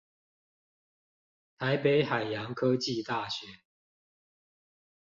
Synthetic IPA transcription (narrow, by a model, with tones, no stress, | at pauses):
t̪ʰa˨˦ɪpe˨˦ɪxa˨˩ɪjɑ˨˦ŋkʰɤ˦t͡ɕi˥˨t̪a˥˨ɕɥɛ˨˦